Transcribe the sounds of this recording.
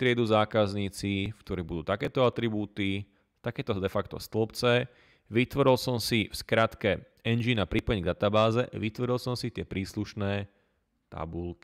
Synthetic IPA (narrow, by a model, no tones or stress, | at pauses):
t̪ɾɪɛd̪uːzaːkazɲiːt͡sifkt̪ɔɾibud̪uːt̪akɛːt̪ɔat̪ɾibuːt̪i | t̪akɛːt̪ɔd̪ɛfakt̪ɔ̰st̪l̩pt͡sɛ | ʋit̪ʋɔɾilˠsɔmsifskɾat̪kɛ | ɛnd͡ʒinapɾipɔɛɲɡd̪at̪abaːzɛʔʋit̪ʋɔɾilˠsɔmsit̪ɪɛpɾiːsluʃnɛː | t̪a̰bulki